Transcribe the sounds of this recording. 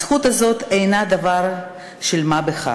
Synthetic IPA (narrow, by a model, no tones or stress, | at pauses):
χut̪azo̞t̪ejnad̪avaɾ | ʃelmabeχa̰